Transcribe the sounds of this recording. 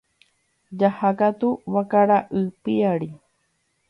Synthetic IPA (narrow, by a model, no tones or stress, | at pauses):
d͡ʒahakat̪uwakaɾaʔɨpiaɾi